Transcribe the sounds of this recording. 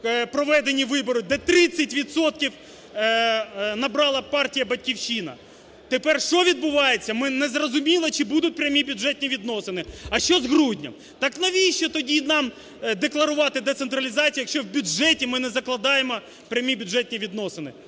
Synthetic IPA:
pɾɔʋɛd̪enʲiʋɪbɔɾʊd̪ɛt̪ɾɪt͡sʲːɐtʲʋʲit̪sɔt̪̚kʲiw | nɐbɾɑlˠɐpɑrtʲijɐbɐt̚ʲkʲiwʃinɐ̰ | t̪epɛrʃt͡ʃɔʋʲid̪̚bʊʋɑjet͡sʲːɐmɪnɛzrɔzʊmʲilˠɐt͡ʃɪbud̪ʊt̚ʲpɾʲɐmʲibʲʊdʒɛtʲnʲiʋʲid̪nɔsɪnɪɐʃt͡ʃɔzɦɾudʲnʲɐ̰m | t̪ɑknɐʋʲiʃt͡ʃɔt̪ɔdʲinɑm | d̪eklˠɐɾʊʋɑt̪ɪd̪et̪sent̪ɾɐlʲizɑt͡sʲijɐkʃt͡ʃɔwbʲʊdʒɛtʲimɪnɛzɐklˠɐd̪ɑjemɔ | pɾʲɐmʲibʲʊdʐɛtʲnʲiʋʲid̪nɔsɪnɪ

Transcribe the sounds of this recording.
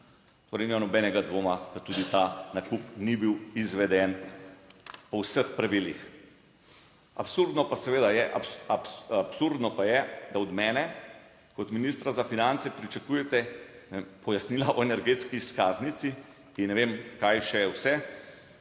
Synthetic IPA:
t̪oːɾejnimanɔbɛnɛɡad̪ʋoːmakat̪uːd̪it̪anakupnibiwizʋɛd̪ɛn | pɔwsəxpɾaʋilix | a̰psuɾd̪nɔpasɛʋeːd̪ajɛʔaapsapsuɾd̪nɔpajɛd̪aɔd̪mɛːnɛ | kɔt̪minist̪ɾazafinant̪sɛpɾit͡ʃakujɛt̪ɛnɛempɔjasnilaʔɔenɛɾɡeːt̪skiskaːznit̪si | innːɛʋemkajʃɛwsɛ

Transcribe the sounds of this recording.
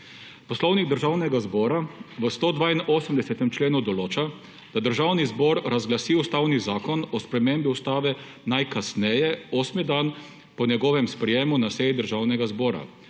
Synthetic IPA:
pɔslɔwniɡd̪əɾʒaːwnɛɡazbɔːɾaʋəst̪oːd̪ʋaːinoːsəmd̪ɛsɛt̪ɛmt͡ʃleːnud̪ɔloːt͡ʃa | d̪̥ad̪əɾʒaːwnizbɔɾɾazɡlasiːust̪aːwnizaːkɔnɔspɾɛmembiust̪aːʋɛ | najkasnɛjɛoːsmid̪aːn | pɔnjɛɡɔːʋɛmspɾɛjeːmunasɛːjid̪əɾʒaːwnɛɡazbɔːɾa̰

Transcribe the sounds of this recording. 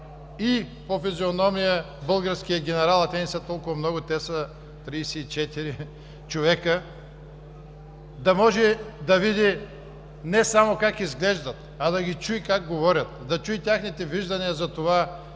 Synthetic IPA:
ipofizionɔmijə | bɤlˠɡəɾskijɐɡʲɛnɛɾalˠɐt̪ɛnisɛt̪ɔlˠkʊvɐmnɔɡʊt̪ɛsɐ | t̪ɾiːsɛit͡ʃɛt̪iɾi | t͡ʃovɛkə | d̪ɐmɔʒɛd̪ɐvid̪i | nɛsamokakizɡlɛʒd̪ɐt̪ | ɐd̪ɐɡʲit͡ʃuikaɡ̚ɡovɔɾʲɐt̪̚d̪ɐt͡ʃuit̪ʲjaxnit̪ɛviʒd̪ɐniəzɐt̪ova

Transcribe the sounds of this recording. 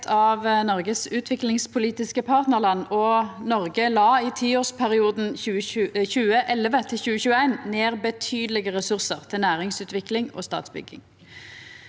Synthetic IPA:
t̪ʰɑʋnɔʁɡəsʉːt̪ʰʋɪklɪŋspʰʊliːt̪ɪskəpʰɑːʁt̪nəʁlɑnːɔnɔʁɡəlɑːiːt̪ʰiːoːʁspʰæʁɪuːd̪n̩ʉəçʉːəʔɛlːəʋət̪ʰɪlɕʉːəçʉːəæɪnneːʁbət̪ʰyːd̪əlɪɡəʁɛsʉʁsəʁt̪ʰɪlnæːʁɪŋsʉːt̪ʰʋɪklɪŋo̰ːst̪ɑ̰ːt̪sbʏ̰ɡɪ̰ŋ

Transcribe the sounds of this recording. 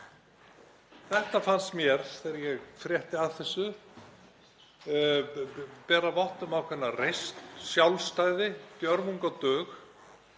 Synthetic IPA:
θɛht̪afansmjɛɾ̥θɛɾajɛɣfɾjɛht̪ɪaðθɛsːʏ | pɛːɾavɔht̪ʏmawkʰvɛnːarejst̪sjawlst̪aːjðɪt̪jœɾmuŋkat̪œːx

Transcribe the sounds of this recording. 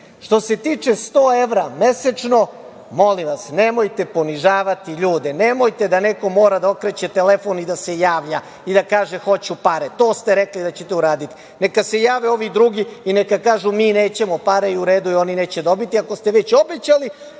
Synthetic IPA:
ʃt̪o̞se̞t̪iːt͡ʃe̞st̪oːe̞ʋɾame̞set͡ʃno̞ | mo̞liʋasne̞mojt̪e̞po̞niʒaːʋat̪iʎuːd̪enemo̞jt̪e̞d̪ane̞ko̞mo̞ːɾad̪aokɾet͡ɕet̪ele̞fo̞nid̪ase̞jaːʋʎa | id̪akaːʒexo̞t͡ɕupaɾet̪o̞ːst̪eɾeklid̪at͡ɕet̪euɾaːd̪it̪i̥ | nekase̞jaːʋeo̞ʋid̪ɾuɡiinekakaːʒumiːneːt͡ɕemo̞paɾeiuɾeːd̪uio̞nine̞ːt͡ɕed̪o̞bit̪iako̞st̪eʋet͡ɕo̞be̞t͡ɕali

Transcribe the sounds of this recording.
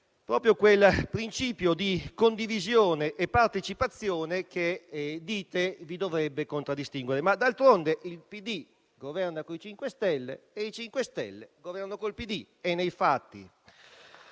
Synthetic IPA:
pɾɔːpɾjokwelpɾint͡ʃiːpjod̪ikond̪ivizjoːneʔːpːart̪et͡ʃipat̪sːjoːneked̪iːt̪evid̪ovɾɛbːekont̪ɾad̪ːist̪iŋɡweɾemad̪alt̪ɾond̪eʔilpid̪i | ɡovɛrnakoit͡ʃiŋkwest̪ɛlːḛeit͡ʃiŋkwest̪ɛ̰lːḛɡovɛrnokoilpid̪i | enːejfat̪ːḭ

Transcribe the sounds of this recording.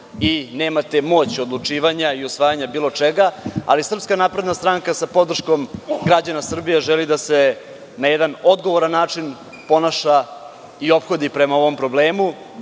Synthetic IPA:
ine̞ːmat̪e̞mo̞ːt͡ɕod̪lˠut͡ʂiːʋaɲaiusʋaːjaɲabiːlo̞t͡ʂeɡaa̰lisr̩pskanaːpɾe̞d̪nast̪ɾaŋkasapo̞d̪r̩ʂko̞mɡɾad͡ʑanasr̩bijeʒelid̪ase̞ | najɛd̪ano̞d̪ɡo̞ʋo̞ɾanːaːt͡ʂin | po̞naʃa | io̞pxo̞d̪ipɾe̞mao̞ʋo̞mpɾo̞bleːmu

